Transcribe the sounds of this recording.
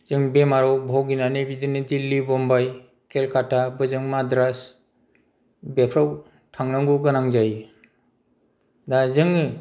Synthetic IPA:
z̥ɯŋbemaɾɔwbʱawɡinanebidinidilːibɔmbaj | kʰelkʰatʰabɯzɯŋmadɾas | bepʰɾaw | tʰaŋnɯŋɡɔɡɯnaŋzaj | dazɯŋɯ

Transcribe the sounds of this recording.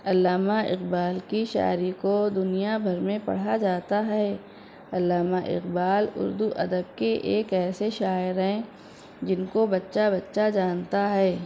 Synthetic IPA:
ɐlːaːmaɪ̰qbaːlkiʃa̰ːɾikod̪ʊnijabʱɐɾmẽpɐ̰ɽ̤ad͡ʒaːt̪aɦɛː | ɐlːaːmaʔɪ̰qbaːlʊ̰ɾd̪uʔɐd̪əb̚keʔeːkɛːseʃaːɪɾɦɛ̃ | d͡ʒɪnkobɐtːʃabɐtːʃad͡ʒaːnt̪aɦɛː

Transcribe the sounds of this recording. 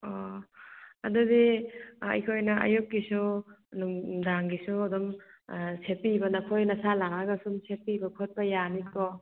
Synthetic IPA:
ɔ | a̰dudiɐ̰jkʰojnɐa̰jukːisunumdaŋɡisuadɔmsepibɐnɐkʰojnɐsalaŋaɡasumsepibɐkʰot̚pajanipɔ

